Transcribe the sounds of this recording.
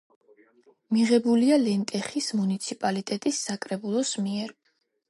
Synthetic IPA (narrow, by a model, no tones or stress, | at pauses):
miʁɛbulialɛnt̪ʼɛχismunit̪sʰipʼalit̪ʼɛt̪ʼisːakʼɾɛbulˠɔsmiɛɾ